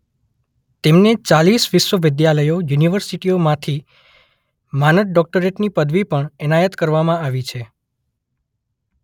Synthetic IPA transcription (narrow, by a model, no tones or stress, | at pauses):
t̪emnet͡ʃalisʋɪʃʋəʋɪd̪jaləjojuniʋəɾsiʈiomãt̪ʰi | manət̪̚ɖɔk̚ʈəɾeʈnipəd̪ʋipəɳɛnajət̪kəɾʋamãaʋit͡ʃʰe